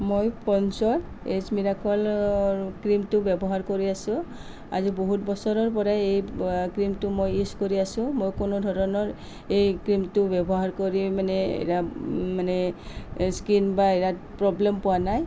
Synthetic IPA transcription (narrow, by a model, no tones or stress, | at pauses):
mojpɔnsɔɹ | esmiɹakʰɔl | kɹimtʊbjɛbɔɦaɹkoɹiasʊ̃ | a̰ziboɦutbɔsɔɹɔɹp̬ɔɹaejkɹimtʊmojiskoɹiasʊ̃mojkʊnodʱɔɹɔnɔɹ | ejkɹimtʊbɛbɔɦaɹkoɹimanɛḛtamanɛ | skinbaeja | pɹɔblempʊwanaj